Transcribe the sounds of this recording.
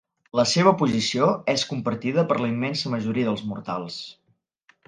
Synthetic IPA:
ləseβ̞əpuzisioɛskumpəɾt̪iðəpəɾləimːɛnsəməʒuɾiəðəlˠzmṵɾt̪a̰lˠs

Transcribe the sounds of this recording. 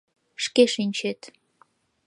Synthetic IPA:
ʃkeʃinʲt͡ɕet̪

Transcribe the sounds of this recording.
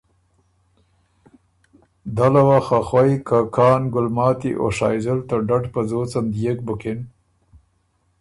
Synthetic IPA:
d̪alawaxaxwajkakɑːnɡʊlmɑːt̪ḭʔo̰ʂɑ̰jzəlt̪aɖaʈpəzot͡samd̪jek̚bʊkɪn

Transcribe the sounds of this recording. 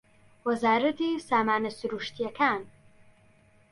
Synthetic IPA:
wɐzaːɾɐt̪isaːmaːnɐsuɾuʃt̪ijakʰaːn

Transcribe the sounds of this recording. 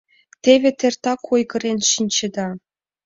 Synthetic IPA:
t̪ʲevʲĕt̪ʲerʲt̪ɑkʰujɡɤ̆rʲenʲɕinʲt͡ɕĕd̪ɑ

